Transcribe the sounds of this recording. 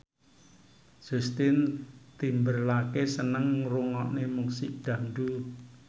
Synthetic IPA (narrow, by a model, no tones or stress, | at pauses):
d͡ʒ̥ust̪ɪnt̪imbərlakesənəŋruŋɔʔnemuŋsiʔd̥ä̤ndu